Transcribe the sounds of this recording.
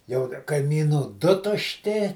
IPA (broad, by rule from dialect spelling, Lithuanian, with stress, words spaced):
jɛʊ kɐɪmʲiːˈnuː ˈdʊ tʊʃʲˈtʲɪ